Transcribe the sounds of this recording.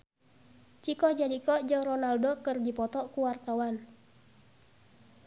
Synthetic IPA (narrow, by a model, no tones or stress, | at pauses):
t͡ʃikɔd͡ʒadikɔʔd͡ʒəŋrɔnaldokərdipɔt̪ɔkuwark̪awan